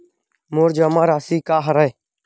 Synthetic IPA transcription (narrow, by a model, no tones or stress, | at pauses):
moːɾd͡ʒaːmaːɾaːsiːkaːɦəɾəː